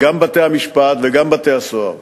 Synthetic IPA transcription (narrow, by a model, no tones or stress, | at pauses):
ɡɐmbɐt̪eamiʃpaːt̪ʋeɡɐmbɐt̪eɐso̰